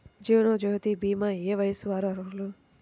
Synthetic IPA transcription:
d͡ʒiːwnoːd͡ʒoɦt̪ibiːmaeːʋɐjsuʋaːɾɐɾulu

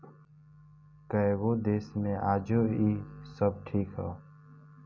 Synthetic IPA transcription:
kəewoːd̪eːsmẽʔaːd͡ʒoːiːsəb̚ʈʰiːkɦaː

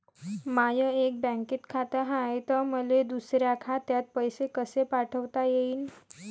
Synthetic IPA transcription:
majəek̚bɛ̃ŋkit̪kʰat̪əɦãjt̪əməled̪usɾjakʰat̪jat̪̚pəjsekəsepaʈʰəʋt̪ajeiːn

